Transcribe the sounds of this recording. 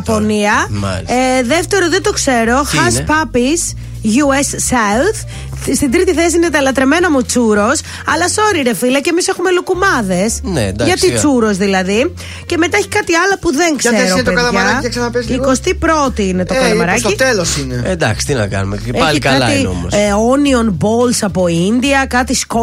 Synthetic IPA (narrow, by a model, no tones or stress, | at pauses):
po̞niɐma̰lisðeft̪e̞ɾoðet̪o̞kse̞ɾo̞xɐspɐpis | ʝuesːɐwθ | st̪id̪ɾit̪iθesiinet̪ɐlɐt̪ɾe̞me̞nomut͡suɾo̞s | ɐlɐso̞ɾiɾefilɐcemisexumelukumɐðe̞snḛd̪aʝɐt̪it͡suɾo̞zðilɐði | ce̞me̞t̪ɐeçi̥kɐt̪iɐlɐpuðeŋkseɾot̪kɐlɐɐɾɐeksɐnɐpesiko̞st̪ipɾo̞t̪iine̞t̪o̞kɐlɐmɐɾɐcit̪elosineend̪ɐksi̥t̪inɐ̰kɐ̰nṵmeeɐlikɐɐlɐio̰mosonio̞nbolsɐpo̞ind̪iɐkɐt̪isko